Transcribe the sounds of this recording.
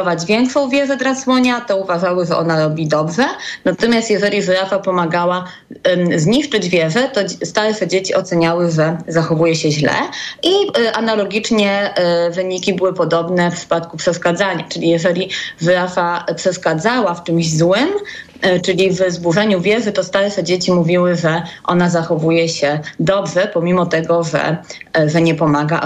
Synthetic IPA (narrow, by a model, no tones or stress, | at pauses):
ɔvad͡ʑvʲjɛŋkʂɔ̃w̃vʲjɛʐɛd̪ɾaswɔɲat̪ɔuvaʐawɘʐɛʔɔnaɾɔbʲid̪ɔbʐɛnat̪ɔmʲjast̪jɛʐɛlʲiʐɘɾafapɔmaɡawa | zɲiʂt͡ʂɘd͡ʑvʲjɛʐɛt̪ɔst̪aɾɛʂɛd͡ʑet͡ɕiʔɔt̪sɛɲawɘʐɛzaxɔvujɛɕɛʑlɛ̰ʔiʔanalɔɡʲit͡ʂɲɛvɘɲikʲibɘwɘpɔd̪ɔbnɛfpʂɘ̥pat̪kupʂɛʂkad̪zaɲa̰t͡ʂɘlʲijɛʐɛlʲivɾafapʂɛʂkad̪zawaft͡ʂɘmʑzwɘm | t͡ʂɘlʲivzbuʐɛɲuvʲjɛʐɘt̪ɔst̪aɾʂɛd͡ʑet͡ɕimuvʲiwɘʐɛʔɔ̰nazaxɔvujɛɕɛd̪ɔbʐɛpɔmʲimɔt̪ɛɡɔʐɛ̰ʐɛɲɛpɔmaɡa